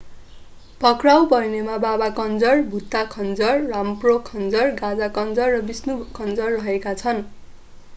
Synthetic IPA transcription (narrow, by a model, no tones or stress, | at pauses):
pʌkrawbʌrnemababakʌnd͡zʌrbʱut̪ːakʰʌnd͡zʌrːamprokʰʌnd͡zʌrɡad͡zakʌnd͡zʌrːʌbisnukʰʌnd͡zʌrːʌɦekat͡sʰʌn